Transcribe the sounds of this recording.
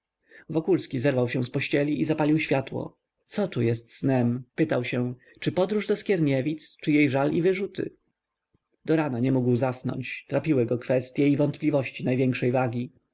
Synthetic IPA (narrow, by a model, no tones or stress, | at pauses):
vɔkulskʲizɛɾvawɕɛ̃w̃spɔɕt͡ɕɛlʲiʔizapalʲiwɕfʲjat̪wɔ̰ | t̪sɔt̪ujɛst̪snɛmpɘt̪awɕɛ | t͡ʂɘpɔd̪ɾuʐd̪ɔskʲjɛɾɲevʲit̪st͡ʂɘjejʐalivɘʐut̪ɘ̰ | d̪̥ɔɾanaɲɛmuɡwzasnɔ̰ɲt͡ɕt̪ɾapʲiwɘɡɔkfɛst̪ʲjɛivɔnt̪plʲivɔɕt͡ɕinajvʲjɛŋkʂɛjvaɡʲi